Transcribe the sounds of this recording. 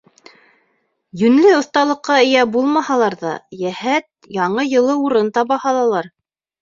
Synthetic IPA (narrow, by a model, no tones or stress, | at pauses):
jɵ̆nlɘŏθt̪ɑlˠɤ̆qːɑɘ̆jæbulˠmɑhɑlˠɑɾðɑ̰jæhæt̪̚jɑɴɤjɤ̆lˠɤuɾɤnt̪ɑβɑhɑlˠɑlˠɑɾ